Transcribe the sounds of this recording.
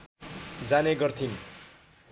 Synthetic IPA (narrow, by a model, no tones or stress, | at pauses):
d͡zaneɡʌrt̪ʰin